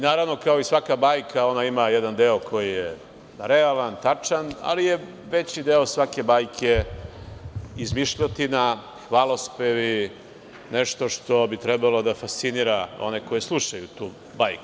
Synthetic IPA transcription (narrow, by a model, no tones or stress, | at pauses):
inaːɾaʋno̞kao̞isʋakabaːjkʰao̞naimajed̪and̪eokʰo̞jije | ɾealant̪at͡ʂana̰lije | ʋe̞t͡ɕid̪eo̞sʋake̞baːjkʰe̞ | izmiʃʎat̪ina | xʋaːlˠo̞speʋi | neʃt̪o̞ʃt̪o̞bit̪ɾɛbalo̞d̪afast̪siniɾao̰neko̞jeslˠuʃajut̪uː | bajkuu̥